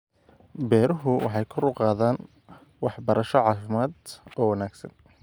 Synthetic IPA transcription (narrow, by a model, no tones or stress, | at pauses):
bɛːɾʊɦʊwɑ̰ħɑjkʰʊrʊqɑːðaːn | wɑħbɐɾɐʃɔʕɑːfɪmaːd̪ɔːwɑnaːɡsɐ̰n